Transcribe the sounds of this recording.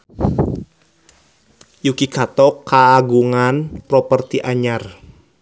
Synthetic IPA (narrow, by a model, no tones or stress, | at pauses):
jukikʰat̪ɔkʰːaːɡuŋanpɾɔpərt̪iʔaɲar